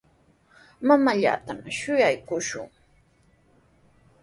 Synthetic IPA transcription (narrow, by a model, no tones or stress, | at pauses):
mamaʎa̰ːt̪amʃʊjajkʊʃʊ̰ŋ